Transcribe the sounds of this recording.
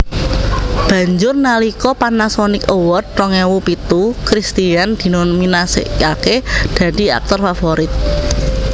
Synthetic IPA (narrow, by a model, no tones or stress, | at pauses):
b̥ä̤ɲd͡ʒʊrnalikɔpanasɔnɪkowɔt̪̚rɔŋewupit̪ukɾist̪iand̪̥i̤nɔminasḛʔkaked̪̥ä̤d̪̥i̤a̰k̚t̪ɔrfafɔɾɪt̪̚